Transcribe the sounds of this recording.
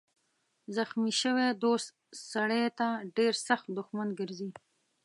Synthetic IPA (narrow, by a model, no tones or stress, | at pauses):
zaxmiʃəwed̪ost̪ | saɽet̪aɖeɾsaxt̪̚d̪ʊxmanɡəɾzi